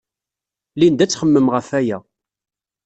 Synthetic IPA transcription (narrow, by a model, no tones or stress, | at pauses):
lind̪æt͡sːχəmːəmʁəfæjæ